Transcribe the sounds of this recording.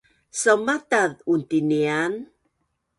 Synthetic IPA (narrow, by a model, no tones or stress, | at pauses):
səmataðunt̪inian